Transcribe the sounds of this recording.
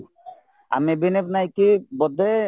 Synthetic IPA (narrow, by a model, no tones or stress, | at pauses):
a̰mebinepnajkibɔd̪e